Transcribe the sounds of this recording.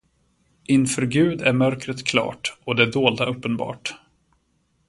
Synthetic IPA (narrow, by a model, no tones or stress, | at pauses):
ʔɪnfœɾɡʉ̟ːd̪æɾmœɾkɾət̪kʰlɑ̰ːʈɔd̪ɛɖoːld̪aʔɵpːənbɑ̰ːʈ